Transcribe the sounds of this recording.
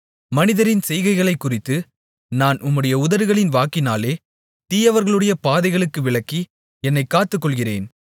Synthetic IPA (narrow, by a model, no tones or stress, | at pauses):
mɐnɪðɐɾɪnsɛjɣɐɪɣɐɭɐɪkːʊrɪt̪ːɯ | naːnʔʊmːɯɽɐjɐʊðɐɾɯɣɐɭɪnʋaːkːɪnaːleː | t̪iːjɐʋɐɾɣɐɭɯɽɐjɐpaːðɐɪɣɐɭɯkːɯʋɪɭɐkːi | ɛnːɐɪkːaːt̪ːɯkːɔɭɣɪrḛːn